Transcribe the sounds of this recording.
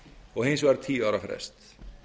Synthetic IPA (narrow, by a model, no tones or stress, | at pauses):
ɔɣhɪnsvaɾt̪ʰiːaːɾafɾɛ̰st̪